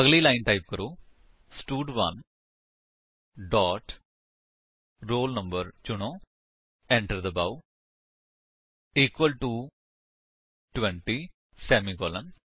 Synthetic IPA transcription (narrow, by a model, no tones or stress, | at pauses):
ɐɡlilaɪnʈaɪp̚kɐɾuː | sʈuːɖʋɐn | ɖɔːʈ | ɾoːlnɐ̃mbəɾt͡ʃʊɳ̃õː | ɛ̃ɳʈəɾd̪ɐbaʊ | iːkʋəlʈu | ʈʋẽɳʈi | sɛːmiɡoːlɐn